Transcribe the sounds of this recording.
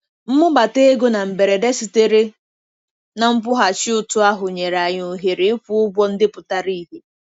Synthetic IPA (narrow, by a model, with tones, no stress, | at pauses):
m̩˦mʊ˦ba˨te˦e˦ɡo˦na˨m̩˨be˨ɾe˨de˦si˨te˦ɾe˦ | na˨m̩˦pʊ˦ɦa˨t͡ʃɪ˦ʊ˨tʊ˦a˦ɦʊ˨ɲe˨ɾa˨ɲo˨ɦe˨ɾe˨˦ɪ˦ku˦ʊ˦ɡʷɔ˦n̩˦dɪ˦pʊ˨ta˦ɾi˦ɦe˨